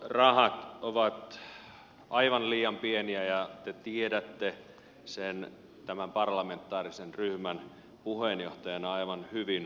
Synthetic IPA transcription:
rɑhɑt̪oʋɑt̪ | ʔɑiʋɑnliːɑmpieniæjɑt̪et̪iedæt̪ːe | sen | t̪æmæmpɑrlɑment̪ːˑɑːrisenryhmæn | puhenjoht̪ɑjɑnɑɑiʋɑnhyʋin

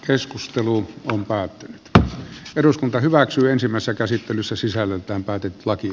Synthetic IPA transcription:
keskust̪eluompæːt̪ːynyt̪eruskunt̪ɑhyʋæksyːensimːˑæˑesesːækæsit̪ːelysːæsisælːelt̪æːmpæːt̪et̪ːy̥lɑki

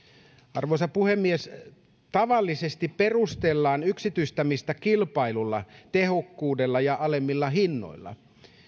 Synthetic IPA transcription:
ɑrʋosɑpuhemːies | t̪ɑʋɑlːisest̪ippe̞rust̪elːɑːnyksit̪yist̪æmist̪ækilpɑilulːɑt̪ehokːuːdelːɑjɑʔɑlemːilːɑɦinːo̰ilˑːɑ̰

